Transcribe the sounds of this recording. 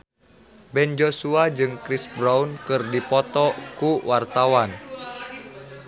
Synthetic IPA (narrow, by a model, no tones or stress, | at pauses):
bɛnd͡ʒosuad͡ʒɨŋkɾisbɾaunkɨrdipɔt̪ɔkuwart̪awan